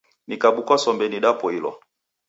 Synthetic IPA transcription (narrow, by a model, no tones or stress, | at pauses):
nikaɓukwasɔmbɛniɗapɔilɔ̰